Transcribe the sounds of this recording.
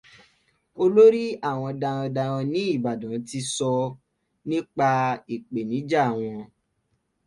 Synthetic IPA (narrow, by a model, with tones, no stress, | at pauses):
o˧lo˦ɾi˦a˦˨w̃ɔ̃˧da˧ɾ̃ɔ̃˧da˧ɾɔ̃˧nĩ˦i˦˨ba˨dã˨˦ti˧sɔ˧ | nĩ˦k͡pa˧i˨k͡pe˨nĩ˨˦d͡ʒa˦˨w̃ɔ̃˧